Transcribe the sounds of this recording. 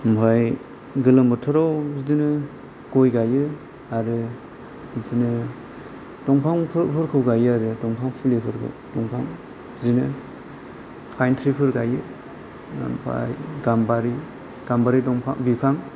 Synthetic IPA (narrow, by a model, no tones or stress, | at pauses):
mpʰaj | ɡɯlɯmbɯtʰɔɾawzidinɯ | ɡ̥ɔjɡajɯ | aɾɯ | dinɯ | dɔŋpʰaŋpʰɯpʰɯɾkʰɯwɡajɯaɾɯdɔŋpʰaŋpʰɯlipʰɯɾkʰɯ̰ | dɔŋpʰaŋ | zinɯ | pʰajntʰɾipʰɯɾɡajɯ | mpʰa̰jɡambaɾi | ɡ̥ambaɾidɔŋpʰa̰ŋbipʰaŋ